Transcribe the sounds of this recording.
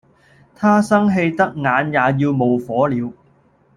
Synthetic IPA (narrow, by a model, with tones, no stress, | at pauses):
t̪ʰaː˥sɐ˥ŋɦe˧jt̪ɐ˥k̚ŋaː˨˧njaː˨˧jiː˧wmo˨˩wfɔː˨˥liː˨˧w